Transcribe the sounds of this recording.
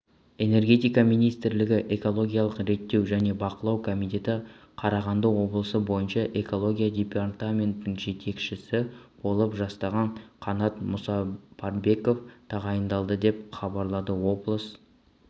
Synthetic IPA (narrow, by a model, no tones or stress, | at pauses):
e̞ne̞ɾɡʲe̞t̪ijkɑmijnijst̪ɪɾlɪɡʲɪʔe̞ko̞lˠo̞ɡʲijɑlˠəqɾe̞t̪ːe̞wʒæne̞bɑqəlˠɑwkʰo̞mijt̪ʲe̞t̪ɪ | qʰɑɾɑʁɑnd̪əwo̞blˠəsəbo̞jənʃɑʔe̞ko̞lˠo̞ɡʲijad̪ʲepart̪amʲe̞nt̪ːɪŋʒe̞t̪ʰe̞kʃɪsɪb̥o̞lˠəpʒɑst̪ɑʁɑɴqʰɑnɑt̪mʊsɑbʰɑrbe̞ko̞ft̪ʰɑʁɑjənd̪ɑlˠd̪əd̪e̞pχɑbɑɾlˠɑd̪əwo̞blˠəs